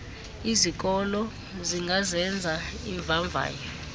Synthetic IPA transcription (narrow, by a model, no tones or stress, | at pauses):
izik̬ʼɔlɔ | ziŋɡazɛnd͡zʱaiɱvaɱvʱa̰ːjɔ